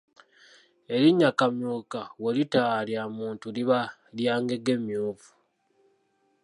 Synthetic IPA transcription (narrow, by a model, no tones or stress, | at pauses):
e̞ɾiɲːakamjuːkawelitaljamuːntuliβaljaːŋɡe̞ɡe̞mjuːvu̥